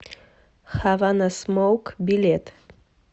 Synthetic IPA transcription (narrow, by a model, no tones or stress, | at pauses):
xavanasmowkbilet̪